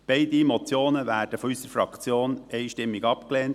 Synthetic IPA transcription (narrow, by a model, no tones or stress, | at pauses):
b̥ɛɪdimɔt͡sjoːnəʋæːrd̥əfɔysəɾfɾɑkt͡sjoːnɛɪʃtɪmːiɡɑpkleːnt